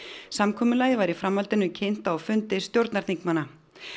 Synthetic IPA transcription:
samkʰɔːmʏlaːjɪvaɾifɾamhalt̪ɪnʏcʰejn̥t̪awfʏnt̪ɪst̪jowɾt̪naɾt̪iŋkmanːa

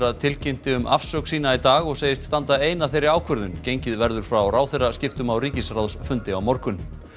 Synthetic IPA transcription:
ɾaðt̪ʰɪlcɪm̥t̪ɪʏmʔafsœwksiːnait̪aːɣɔɣseːjɪst̪st̪ant̪aeːjnaθejɾɪɾaːwkʰvœɾðʏncejɲcɪðvɛɾðʏɾ̥fɾawraːwθerːascɪft̪ʏmawriːcɪsrawsfʏnt̪ɪawmɔɾkʏn

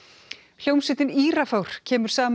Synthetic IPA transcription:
l̥owmsɪːt̪ɪniːɾafawɾ̥cʰɛːmʏɾ̥saːm

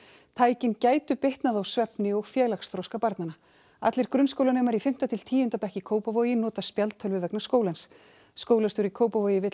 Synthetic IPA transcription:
t̪ʰaːjcɪncaːjt̪ʏpeht̪naðawsvɛpnɪɔɣfjɛːlakst̪ɾowskapaɾt̪nana | a̰t̪lɪɾ̥kɾʏnskowlanɛːmaɾifɪm̥t̪at̪ʰɪl̥t̪ʰiːjʏnt̪apɛhcɪkʰoːwpavoːɥjɪnɔːt̪aspjalt̪ʰœlvɪvɛknaskoːwlansː | koːwlanst̪ʏɾikʰoːwpavoːɥjɪvɪt̪

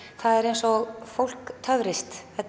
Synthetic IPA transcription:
θaðɛɾejnsɔɣfowl̥kt̪ʰœvɾɪst̪ɛt̪

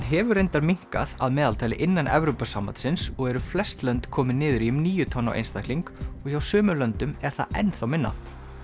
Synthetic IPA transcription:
ɦɛvʏɾejnt̪aɾmiŋ̥ka̰ða̰ðmɛːðalt̪ʰaːjlɪʔɪnːanɛ̰vɾowpasamːant̪sɪnsɔɣɛɾʏflɛst̪lœnt̪kʰɔːmɪnɪːðʏɾiʏmniːjʏt̪ʰɔnːa̰ʔḛjnst̪ahk̪liŋkɔɣçawsœːmʏlœnt̪ʏmɛɾ̥θa̰ɛ̰nθawmɪnːa̰

